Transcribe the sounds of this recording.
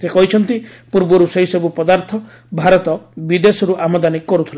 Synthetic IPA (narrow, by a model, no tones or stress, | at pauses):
sekɔɦit͡ʃʰɔnt̪ipuɾbɔɾuseɦisɔbupɔd̪aɾt̪ʰɔ | bʱaɾɔt̪ɔbid̪esɔɾuʔamɔd̪anikːɔɾut̪ʰila